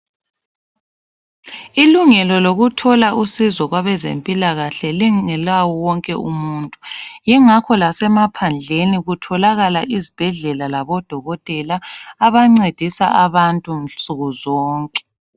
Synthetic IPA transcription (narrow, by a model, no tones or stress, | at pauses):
iluŋɛlɔloɣutʰɔlaʔusizɔɣwaβɛzḛmpʼilaɣaɬɛliɛlawɔwɔŋkʼɛumuːntʼujiŋakʰɔlasɛmapʰand͡ɮʱeniɣutʰɔlaɣalaʔizib̥ʱɛɮɛlalaβɔd̥ʱɔɣɔtʼɛlaːβaŋ͡ǀed̥ʱisaʔaβantʼunɬsʼuɣuzɔːŋkʼɛ̥